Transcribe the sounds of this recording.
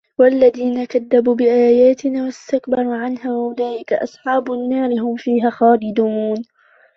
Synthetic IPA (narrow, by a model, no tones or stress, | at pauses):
walːaðiːnakaðːabuːbɪʔaːjaːt̪ɪnaːwast̪akbɑɾˤuːʕanhaːwahʊlaːlɪkaʔɑ̰sˤħɑːbʊnːɑːɾɪɦʊmfiːɦaːxaːlɪd̪uːn